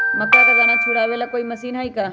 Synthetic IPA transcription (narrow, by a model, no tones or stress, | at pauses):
mɐkːat̪ɐɡanat͡ʃʰuɽaːʋelakoːimɐsiːnɦaːikaː